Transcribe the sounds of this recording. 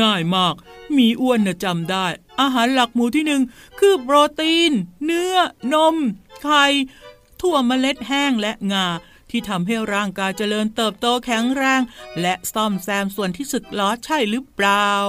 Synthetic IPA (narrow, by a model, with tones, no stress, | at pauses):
ŋaː˥˩jmaː˥˩k̚miː˧ʔu˧˥ənːɯ˨˩t͡ɕa˧mdaː˥˩jʔaː˧ɦaː˩˦nla˨˩k̚muː˨˦t̪ʰiː˥˩nɯ˨˩ŋ | kʰɯː˧˩pɾoː˧t̪iː˧nːɯ˦˥ɐno˧˥mkʰa˧j | t̪ʰu˥˩ɐma˧le˦˥t̪̚ɦɛː˥˩ŋlɛ˦˥ʔŋaː˧ | t̪ʰiː˥˩t̪ʰa˧mɦa˥˩jɾaː˥˩ŋkaː˧jt͡ɕa˧lɤː˧nt̪ɤː˨˩p̚t̪oː˧kʰɛ˩˦ŋɾɛː˧ŋlɛ˦˥ʔsɔ˥˩msɛː˧msu˨˩ənt̪ʰiː˥˩su˨˩t̪̚lɔː˦˥t̪̚t͡ɕʰa˥˩jɾɯː˦˥plaː˧w